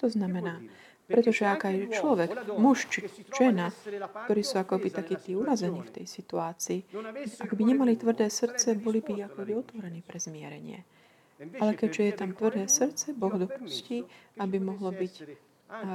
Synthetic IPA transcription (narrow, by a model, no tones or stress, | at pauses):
t̪ɔznamɛnaː | pɾɛt̪ɔʒɛaɡajt͡ʃlɔʋɛɡmuʃt͡ʃiʒ̥ɛnakt̪ɔɾiːsuakɔbit̪akiːt̪iːuɾazɛɲiːft̪ɛ̰jsit̪uaːt͡siːaɡbiɲɛmalit̪ʋr̩d̪ɛːsr̩t͡sɛbɔlibiakɔbiɔt̪ʋɔɾɛniːpɾɛz̥mɪɛ̰ɾɛɲɪɛ̰ | ʔalɛkɛɟʒɛjɛt̪amt̪ʋr̩d̪ɛːsr̩t͡sɛbɔɣd̪ɔpusciːabimɔɦlɔbic